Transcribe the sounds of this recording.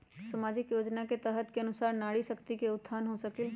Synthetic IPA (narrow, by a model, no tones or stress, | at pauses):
samaːd͡ʒɪkjoːd͡ʒnaket̪əɦət̪keɐnʊsaːɾnaːɽiʃəkt̪ikeʊd̪ʰʱːaːnɦosəkɪl